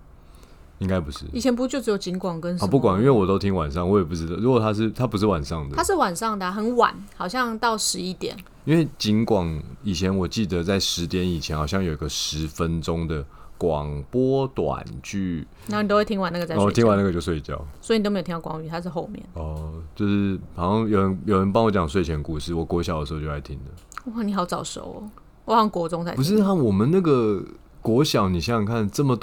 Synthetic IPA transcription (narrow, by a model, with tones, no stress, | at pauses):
i˥ŋka˥˦ɪpu˧˦ʂɻ̩˥˩i˨˩t͡ɕʰjɛ˧npu˧˥t͡ɕjo˥˩ʈ͡ʂɻ̩˧˥jo˨˩ʊt͡ɕi˧˥ŋkwɑ˨˩ŋkə˧˦nɔ˨˦˨pu˥˩kwa˨˩ŋi˥nwe˥˩ɪwɔ˨˩t̪o˥ʊt̪ʰi˦˥ŋwa˨˩nʂɑ˥˩ŋwɔ˧˥jɛ˨˩p̬u˥˩ʈ͡ʂɻ̩˧˦d̪ɑ˥˩ʊɻu˧˥kwɔ˨˩t̪ʰa˥ʂ̬ɻ̩˥˩t̪ʰa˦˥pu˧˥ʂ̬ɻ̩˥˩wa˨˩nʂɑ˥˩ŋd̪əa˥ʂ̬ɻ̩˥˩wa˨˩nʂɑ˥˩ŋd̪ə˨xə˧˥nwa̰˨˩˦nxɑ˨˩ʊɕjɑ˥˧ŋt̪ɑ˥˩ʊʂɻ̩˧˥i˥˩t̪jɛ̰˨˩˦n | i˦nwe˥˩ɪt͡ɕi˧˥nkwɑ˨˩ŋi˨˩t͡ɕʰjɛ˧˦nwɔ˨˩t͡ɕi˥˩d̪ə˨t͡sa˥˩ɪʂɻ̩˧˦t̪jɛ˧˥ni˨˩t͡ɕʰɛ˧˦nxɑ˨ʊɕjɑ˥˨ŋjo˨˩ʊi˦ɡə˧ʂɻ̩˧˦fə˦nʈ͡ʂʊ˦ŋd̪ə˨kwɑ˨˩ŋpwɔ˦t̪wa̰˨˩nt͡ɕʰy˥˧ | na˥˩ni˨t̪o˥we˥˩tʰi˥ŋwa˧˦na˥˩ɡə˩t͡sa˥˧˨w̪ʰi˧˥ŋwa˦na˥˩ɡə˨jo˥˧ʊswe˥˧ɪt͡ɕjɑ̰˥˨˩ʊswɔ˧˥i˧˨o˥˧me˥˨˩i˥˩kwɑ˥ŋy˧˨t̪ʰa˥ʂ̬ɻ̩˥˩xo˥˧ʊmjɛ̰˥˨nɔ˧t͡ɕjo˥˧ʊʂɻ̩˥˩hɑ˨˩ʂɑ˥˩ŋjo˨˩ʊɻə˧˦njo˨˩ɻə˧˦np̬ɑ˥ŋwɔ˧˥t͡ɕjɑ˨˩ŋs̬we˥˩ɪt͡ɕʰɛ˧˦nku˥˧ʂɻ̩˥˩wɔ˨˩kwɔ˧˥ɕjɑ˨˩ʊd̪ə˩ʂ̩˧˥˧jo˥˩a˥˩ɪt̪ʰi˧˥ŋd̪ə˨ | wa˥˩ni˨˩xɑ˧˥ʊt͡sɑ˨˩ʊʂo̰˨˧˦ʊ | wɔ˨˩wɑ˥˩ŋkwɔ˧˥ʈ͡ʂʊ˥ŋt͡sʰa˧˦pu˧ʂʂɻ̩˥˧na˥˩wɔ˨˩mə˨na˥˩ɡə˨ | kwɔ˧˥ɕjɑ˨˩ʊni˨˩ɕɑ˥˩˨kʰa˥˩nʈ͡ʂə˥˩mə˩t̪